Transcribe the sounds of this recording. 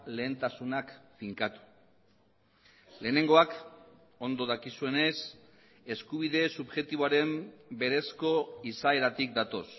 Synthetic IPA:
le̞ːnt̪asunakfiŋkat̪u̥ | le̞ːne̞ŋɡo̞ak | o̞nd̪o̞ðakisue̞ne̞s | e̞skuβ̞iðe̞suβʝe̞t̪iβoaɾe̞mbe̞ɾe̞sko̞isae̞ɾat̪ik̚d̪at̪o̞s

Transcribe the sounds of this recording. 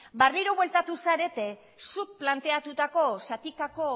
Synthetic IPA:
bariɾo̞βwe̞lt̪at̪usaɾe̞t̪e̞ | suk̚plant̪e̞at̪ut̪ako̞sat̪ikako̞

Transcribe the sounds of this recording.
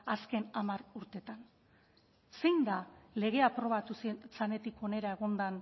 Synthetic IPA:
aske̞namaɾuɾt̪e̞t̪an | sejnd̪ale̞ɣ̞e̞apɾo̞β̞at̪usit͡sane̞t̪iko̞ne̞ɾae̞ɣ̞o̞nd̪an

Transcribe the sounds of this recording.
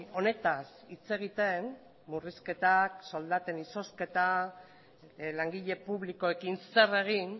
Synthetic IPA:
o̞ne̞t̪asit͡se̞ɣ̞it̪e̞n | muriske̞t̪akso̞ld̪at̪e̞niso̞ske̞t̪a | laŋɡiʎe̞puβliko̞e̞kinse̞re̞ɣ̞in

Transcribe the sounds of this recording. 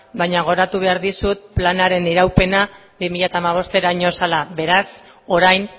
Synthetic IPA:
bajɲaɣ̞o̞ɾat̪uβ̞e̞aɾðisut̪̚planaɾe̞niɾawpe̞na | bimiʎat̪aːmaβ̞o̞st̪e̞ɾaɲo̞salaβe̞ɾas | o̞ɾajn

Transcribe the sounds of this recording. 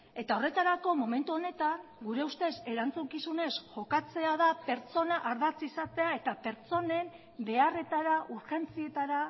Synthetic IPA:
e̞t̪ao̞re̞t̪aɾako̞mo̞me̞nt̪uo̞ne̞t̪aŋɡuɾe̞ust̪e̞se̞ɾant͡suŋkisune̞sʝo̞kat͡se̞aðape̞ɾt͡so̞naʔaɾðat͡sisat̪e̞ae̞t̪ape̞ɾt͡so̞ne̞m | be̞are̞t̪aɾaʔuɾʝe̞nt͡sie̞t̪aɾa

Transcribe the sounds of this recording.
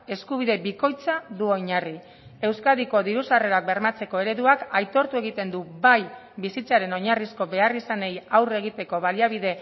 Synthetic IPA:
e̞skuβ̞iðe̞biko̞jt͡saðuoɲari | e̞wskaðiko̞ðiɾusare̞ɾak̚be̞ɾmat͡se̞ko̞e̞ɾe̞ðuakajt̪o̞ɾt̪ue̞ɣ̞it̪e̞nd̪ubaj | bisit͡saɾe̞no̞ɲarisko̞βe̞arisane̞jawre̞ɣit̪e̞ko̞βaliaβiðe̞

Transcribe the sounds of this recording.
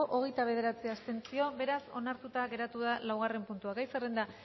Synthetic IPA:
oʔoɣe̞jt̪aβ̞e̞ð̞e̞ɾat͡siast̪e̞nt͡sio̞be̞ɾaso̞naɾt̪ut̪aɣe̞ɾat̪uðalawɣ̞are̞mpunt̪uakajserend̪a

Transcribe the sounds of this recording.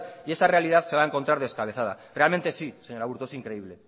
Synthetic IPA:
ie̞sare̞alið̞aðse̞βae̞ŋkont̪ɾaɾð̞e̞skaβ̞e̞θað̞a̰re̞alme̞nt̪e̞sise̞ɲo̞ɾaβuɾt̪oe̞siŋkɾe̞iβle̞

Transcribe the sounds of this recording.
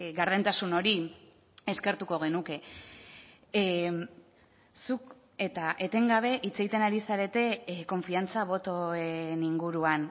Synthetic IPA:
ɣaɾð̞ent̪asuno̞ɾi | e̞ske̞ɾt̪uko̞ɣe̞nuke̞ | suk | e̞t̪aʔe̞t̪e̞ŋɡaβ̞e̞ʔit͡se̞ɣit̪enaɾisaɾe̞t̪e̞ko̞ɱfiant͡saβ̞o̞t̪o̞eniŋɡuɾuan

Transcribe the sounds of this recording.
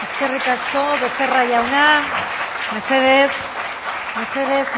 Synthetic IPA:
eske̞rikasko̞βe̞se̞raʝawna | me̞se̞ðes | me̞seðes

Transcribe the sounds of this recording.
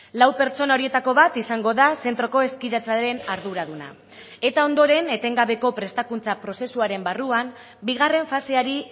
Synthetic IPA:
lawpe̞ɾt͡ʃo̞nao̞ɾie̞t̪ako̞βat̪isaŋɡo̞ðase̞nt̪ɾo̞ko̞e̞skiðat͡saɾe̞naɾðuɾaðuna̰ | e̞t̪ao̞nd̪o̞ɾe̞ne̞t̪e̞ŋɡaβe̞ko̞pɾe̞st̪akunt͡sapɾo̞se̞suaɾe̞mbaruam | biɣ̞are̞ɱfase̞aɾi

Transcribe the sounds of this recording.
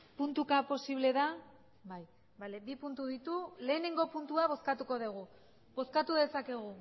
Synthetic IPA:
punt̪ukapo̞siβ̞le̞ða | baj | balebipunt̪uðit̪ule̞ːne̞ŋɡo̞punt̪uaβo̞skat̪uko̞ðuɣ̞u | bo̞skat̪uð̞e̞sake̞ɣ̞u

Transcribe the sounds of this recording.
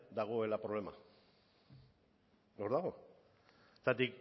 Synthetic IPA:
d̪aɣ̞o̞e̞lapɾo̞βle̞ma̰ | no̞ɾðaɣo̞̥ | t̪at̪ik

